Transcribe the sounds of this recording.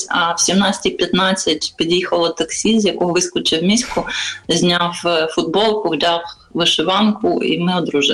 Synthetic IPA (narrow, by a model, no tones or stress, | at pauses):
ɐwsʲimnɑt͡sʲɐ̥tʲipʲjɐt̪nɑt͡sʲːɐtʲpʲid̪ʲjixɐlˠɐt̪ɐksʲizʲjɐkɔɦɔʋɪskʊt͡ʃɪwmʲisʲkʊzʲnʲawfʊd̪̚bɔlˠkʊwdʲɑw | ʋɪʃɪʋɑnkʊḭmɪɔd̪ɾuʒɪ